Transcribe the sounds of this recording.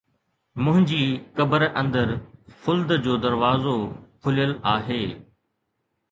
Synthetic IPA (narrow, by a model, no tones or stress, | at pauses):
mʊ̃ɦɪ̃ɲd͡ʑiːkɐbəɾʔə̃nd̪əɾfʊld̪d͡ʑoːd̪ɐɾʋaːzokʰʊlijəlaːɦeː